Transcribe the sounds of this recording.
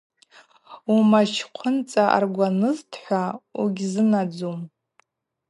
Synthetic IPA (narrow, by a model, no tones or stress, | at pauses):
umaʃʰqʷʰʊnt͡sʼaʔa̰rɡʷanɨztʰħʷauɡʲzɨnad͡zum